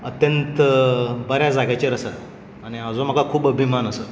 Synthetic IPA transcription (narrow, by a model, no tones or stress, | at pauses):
ət̪jənt̪bəɾjad͡zaɡjat͡ɕeɾəsə | aɽ̃iad͡zoməɡakʰuːbəbʱimanəsə